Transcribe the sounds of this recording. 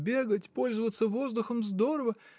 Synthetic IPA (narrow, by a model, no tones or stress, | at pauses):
bʲe̞ɡətʲpo̞lʲzəvət̪səvo̞zd̪ʊxəmzd̪o̞ɾəvə